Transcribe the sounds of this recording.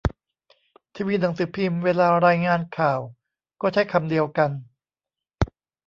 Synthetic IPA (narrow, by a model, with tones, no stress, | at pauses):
t̪ʰiː˧wi˧˥t̪na˩˦ŋsɯː˩˦pʰi˧mweː˧laː˧ɾaː˧jŋaː˧nkʰaː˨˩w | kɔː˥˩t͡ɕʰa˦˥˩jkʰa˧mdi˧əwka˧n